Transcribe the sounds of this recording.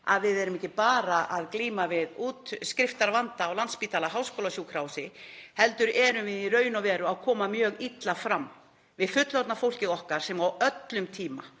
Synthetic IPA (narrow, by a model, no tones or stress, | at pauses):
a̰ðvɪðɛɾʏmɛhcːɪpaːɾaʔaðkliːmavɪðuːt̪skɾɪft̪aɾvant̪aːwlanspiːt̪ʰaːlaɦawskowlasjuːkʰɾawsɪhɛlt̪ʏɾɛɾʏmvɪðiɾœːɥjnɔwvɛːɾʏawkʰɔːmamjœːɣit̪lafɾamː | vɪðfʏt̪lɔt̪nafowl̥cɪɣɔhkaɾ̥sɛmawœt̪lʏmt̪ʰiːma̰